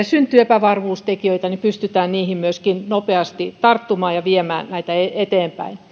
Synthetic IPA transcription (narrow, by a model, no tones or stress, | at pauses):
synt̪ːˑyepæʋɑrʋuːst̪ekiøit̪ɑnipyst̪yt̪æːnniːhimmyøskinnopeɑst̪it̪ɑrt̪ːumɑːjɑʋiemæːnnæit̪æeet̪eːmpæ̰in